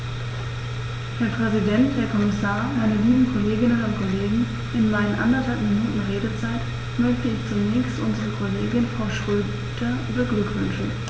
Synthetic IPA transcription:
hɛːɐpʁ̥ɛzidɛntheːɐkʰɔmɪsaːɐmaɪnəliːbm̩kʰoleːɡɪnənʊntkʰoleːɡŋ̩ | ʔɪnmaɪnənʔa̰ndɐthalpminuːtn̩ʁeːdət͡saɪt | mœçtəɪçt͡sʊnɛːçstʔʊnzəʁəkʰoleːɡɪnfʁ̥aʊʃʁ̥øː | dɐːbəɡlʏkv̥ʏnʃn̩

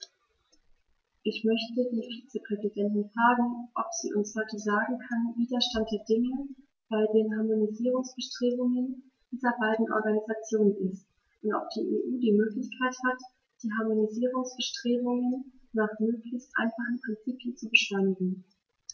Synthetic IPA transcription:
ʔɪçmœçtədiːfiːt͡səpʁ̥ɛzidɛntɪnfʁ̥aːɡŋ̩ʔɔpz̥ḭːʔʊnshɔʏtəzaːɡŋ̩kʰanviːdɐʃtant̚d̥eːɐdɪŋə | b̥aɪdeːnɦaɐmoniziːʁ̞ʊŋsb̥əʃtʁ̥eːbʊŋən | d̥iːzɐbaɪdn̩ʔɔ̰ɐɡanizat͡sjoːnənɪst | ʔʊntʔɔ̰p̚d̥iːʔḛːʔuːdiːmøːklɪçkʰaɪthat | d̥iːɦaɐmoniziːʁʊŋsb̥əʃtʁ̥eːbʊŋənːaːχmøːklɪçstʔa̰ɪnfaχn̩pʁ̥ɪnt͡siːpʰənt͡subəʃlɔʏnɪɡŋ̩

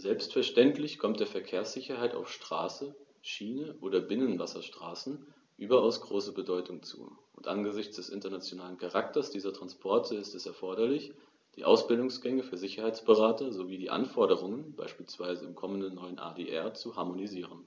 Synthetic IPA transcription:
zɛlpstfɛɐʃtɛntlɪçkʰɔmt̚d̥eːɐfɛɐkʰeːɐsz̥ɪçɐhaɪta̰ʊfʃtʁ̥a̰ːsə | ʃiːnəʔoːɾɐbɪnənvasɐʃtʁ̥aːsn̩ | ʔyːbɐaʊsɡ̥ʁoːsəbədɔʏtʰʊŋt͡sṵːʔʊntʔa̰nɡəzɪçt͡sd̥ɛsʔɪntɐnat͡sjonaːlənkʰaʁak̚tɐsd̥iːzɐtʁ̥anspʰɔɐtʰəɪstɛsɛɐfɔɐɾɐlɪç | d̥iːʔaʊsb̥ɪldʊŋsɡ̥ɛŋəfyːɐzɪçɐhaɪt͡sb̥əʁaːtɐzoviːdiːʔa̰nfɔɐɾəʁ̞ʊŋənb̥a̰ɪʃpiːlsv̥aɪzəɪmkʰɔməndənːɔʏənʔa̰ːdeːʔɛɐt͡suhaɐmoniziːʁən

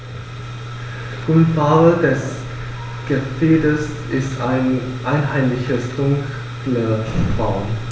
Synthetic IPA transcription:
ʊnfaːədɛs | ɡ̥əfeːdəs | ɪstaɪnʔaɪnɦaɪmlɪçəsd̥ʊŋk | ləb̥aʊm

